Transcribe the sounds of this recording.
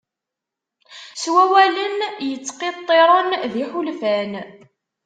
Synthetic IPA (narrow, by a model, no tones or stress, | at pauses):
swæwælənjət͡sːqet̪ˤːeɾˤənðiħulfæn